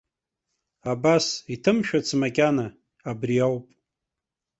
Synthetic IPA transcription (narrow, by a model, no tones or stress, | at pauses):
abasitʰɨmʃᶣat͡sʰmakʲʼanaː | briawpʼ